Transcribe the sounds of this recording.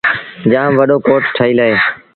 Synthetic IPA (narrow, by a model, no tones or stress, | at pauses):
d͡ʒãːʋəɗoːkoːʈʈʰəːiːlaːɦeː